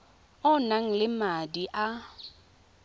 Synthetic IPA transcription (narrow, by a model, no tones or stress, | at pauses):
ʊnaŋ̩lɪmadiʔa